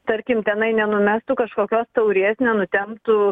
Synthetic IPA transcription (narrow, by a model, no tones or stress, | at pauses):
t̪ɐɾʲkʲɪmt̪ʲɛnɐɪnʲɛnʊmʲæst̪ʊkɐʃkoːkʲoːst̪ɐʊɾʲeːsnʲɛnʊt̪ʲɛmpt̪ʊ